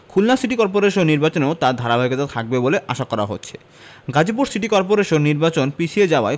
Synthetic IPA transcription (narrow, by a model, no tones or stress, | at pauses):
kʰulnasiʈikɔɾp̬oɾeʃonːiɾbat͡ɕoneot̪ad̪ʱaɾabʱajikot̪at̪ʰak̚beboleʔaʃakɔɾaɦo̰tːɕʰe̥̰ | ɡad͡ʑip̬uɾsiʈikɔɾp̬oɾeʃonːiɾbat͡ɕonpit͡ɕʰied͡ʑaoa̰e